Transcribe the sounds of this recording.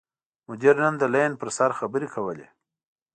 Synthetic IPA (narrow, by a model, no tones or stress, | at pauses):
mʊd͡ʒiɾnənd̪əlajnpəɾsaɾxabəɾekʰawəlḛ